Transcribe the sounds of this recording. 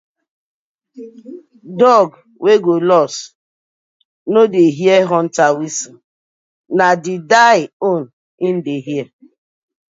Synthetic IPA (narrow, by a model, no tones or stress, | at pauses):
dɔɡ | wʔeɡolɔs | nodeɦieɦɔn̩tawisi | nadɪdaɪon̩ | ɪn̩deɦje